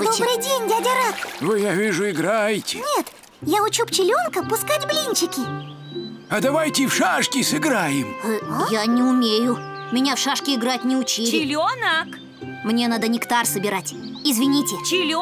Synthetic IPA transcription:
d̪obɾɨjdʲenʲdʲadʲɐɾakvɨjavʲiʐʊɪɡɾajtʲɪnʲet̪ | jaʊt͡ɕupt͡ɕɪlʲonkəpʊskatʲblʲinʲt͡ɕɪkʲɪ | ɐd̪ɐvajtʲɪfʂaʂkʲɪsɨɡɾajɪmɨjanʲɪʊmʲejʊ | mʲɪnʲafʂaʂkʲɪɪɡɾatʲnʲɪʊt͡ɕilɪlʲonək | mnʲe̞nad̪ənʲɪkt̪arsəbʲɪɾatʲɪzvʲɪnʲitʲɪt͡ʃɪlʲ

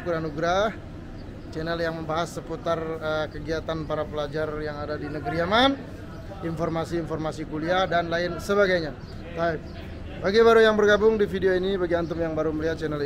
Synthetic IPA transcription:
kuɾanuɡɾah | t͡ʃɛnɛljaŋməmbaɦasːəput̪arəkəɡiat̪anpaɾapəlad͡ʒarjaŋadadinəɡəɾiaman | infɔrmasiːnfɔrmasikuliahdanlaɪnsəβaɡajɲa | t̪aɪp̚ | baɡibaɾujaŋbərɡabʊŋdifidioinibaɡiant̪ʊmjaŋbaɾuməliɦat̪̚t͡ʃɛnɛl

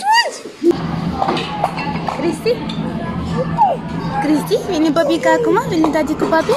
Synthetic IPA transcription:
kɾist̪i | kɾist̪iinipapikakumainid̪ad͡ʒikupapi

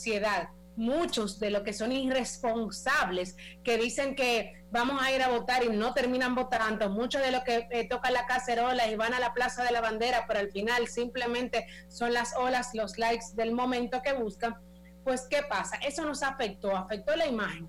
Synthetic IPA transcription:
sje̞ðað | mũt͡ʃo̞sðe̞lo̞ske̞so̞ŋire̞spo̞nsaβle̞ske̞ðise̞ŋke̞ | bamo̞saiɾaβo̞t̪aɾino̞t̪e̞ɾmĩnãmbo̞t̪ant̪omut͡ʃo̞zðe̞lo̞sket̪o̞kanlakase̞ɾo̞laiβanalaplasaðe̞laβand̪e̞ɾape̞ɾoalfinalsimple̞mẽ̞nt̪e̞ | so̞nlaso̞laslo̞slajksd̪e̞lmõ̞mẽnt̪o̞ke̞βuskaŋ | pwe̞ske̞pasaʔe̞so̞no̞safe̞k̚t̪o̞afe̞k̚t̪o̞laimaxeŋ

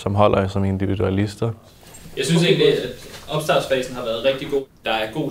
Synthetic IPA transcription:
sɒ̽mɦɒ̽l̰ɐsɒ̽me̝nd̥iʋid̥uælisd̥ɐ | jɑ̈ɪsynse̝ɡən̩liæ̥ʔɒ̽b̥sd̥ɑ̈ːsfɛ̰ːsn̩hɑ̈ʋæːɐð̞̩ˠʁɛɡ̥d̥iɡ̥o̝̰d̥ɑ̈æɐɡ̥o̝̰ː

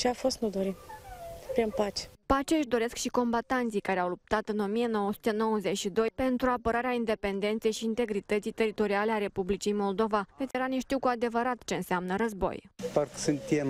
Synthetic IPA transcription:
t͡ʃeafo̞st̪nud̪oɾi | pɾinpat͡ʃe̥pat͡ʃeɨʃd̪o̞ɾe̞skʃiko̞mbat̪ant̪sijkaɾeawlup̚t̪at̪ɨno̞mije̞no̞wəsu̥t̪eno̞wəze̞t͡ʃʃid̪o̞jpe̞nt̪ɾuapəɾaɾeaind̪e̞pe̞nd̪e̞nt̪se̞jʃiːnt̪e̞ɡɾit̪ət̪sijt̪e̞ɾit̪o̞ɾialeaɾe̞publit͡ʃijmo̞ld̪o̞vavet̪sjeɾaneʃt̪iwkuad̪e̞vəɾat̪t͡ʃe̞ɨnseamnəɾəzbo̞̰jpərkə̥sɨnt̪iem

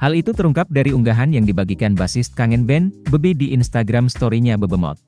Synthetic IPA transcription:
halit̪ut̪əɾuŋkap̚daɾiuŋɡaɦanjaŋdibaɡikanbasɪs̚kaŋɛnbɛnbəbidiʔːnst̪aɡɾamst̪oɾiɲabəbəmɔ̰t̪̚

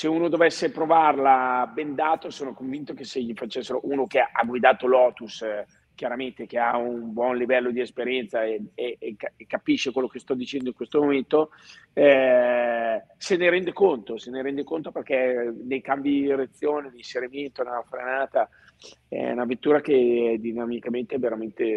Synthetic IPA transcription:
seuːnod̪ovɛsːepɾovarlabɛnd̪aːt̪osoːnokoɱvint̪ok̟eseʎifat͡ʃɛsːeɾoʔuːnokeʔa̰ɡwid̪aːt̪olɔːt̪us | k̟jaɾament̪ek̟eaunbwɔnlivɛlːod̪iespeɾjɛnt̪saeekːapiʃːekwelːokest̪ɔd̪it͡ʃɛnd̪oiŋkwest̪omoment̪o | ɛ | seneɾɛnd̪ekont̪oseneɾɛnd̪ekont̪operkɛnejkambid̪iiɾet̪sːjoːned̪iinseɾiment̪onafɾenaːt̪a | ɛ̰ṵnavet̪ːuːɾak̟eɛd̪inamikament̪eveɾament̪e

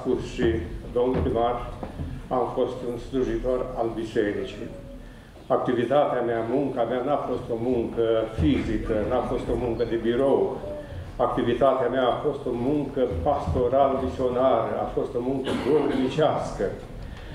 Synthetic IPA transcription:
pusʃid̪o̞mnupimar | amfo̞st̪unsluʒit̪o̞ralbiseɾit͡ʃij | ak̚t̪ivit̪at̪eameamuŋkameanafo̞st̪o̞muŋkəfizikənuafo̞st̪o̞muŋkəd̪e̞biɾow | ak̚t̪ivit̪at̪eameaːfo̞st̪o̞muŋkəpast̪o̞ɾaləmisionaɾəa̰fo̞st̪o̞muŋkəd̪obɾimit͡ʃaskə

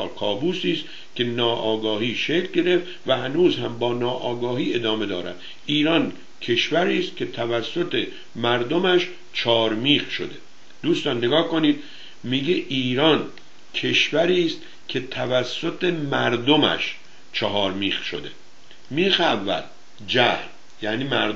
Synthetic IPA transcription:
kʰɒːbuːsiːst̪ | cʲʰe̞nɒːʔɒːɡɒːɦiːʃecʰlɟe̞ɾe̞ft̪væhænuːzhæmbɒːnɒːʔɒːɡɒːɦiːe̞d̪ɒːme̞d̪ɒːɾæ̰d̪ | iːɾɒːn | cʰe̞ʃvæɾiːst̪̚kʰʲe̞t̪ʰævæsːo̞t̪ʰe | mæɾd̪o̞mæʃ | t͡ʃʰɒːɾmiːχʃod̪e̞ | d̪̥uːst̪ɒːnːeɡɒːhkoniːd̪̥ | miɟeʔiːɾɒːn | cʰe̞ʃvæɾiːst̪ | cʲʰe̞t̪ʰævæsːo̞t̪ʰemæɾd̪omæ̰ʃ | t͡ʃʰɒɦɒːɾmiːxʃo̰d̪ḛ | miːxævːæ̰l | d͡ʒæhl | jæːniːmæɾ

